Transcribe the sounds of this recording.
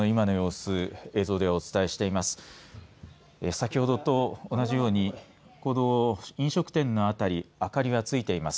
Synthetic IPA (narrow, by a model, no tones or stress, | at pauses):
oimano̞jo̞ːsɨe̞ːzo̞ːd̪e̞ot͡sɨ̥t̪aeɕi̥t̪e̞imasɨ̥ | esakʲiho̞d̪o̞t̪o̞ːnaʑijo̞ːɲ̟i | koːd̪oĩɰ̃ɕo̞kɯ̟̥t̪ẽ̞nːo̞at̪aɾʲiakaɾʲiβat͡sɨit̪e̞imasɨ̥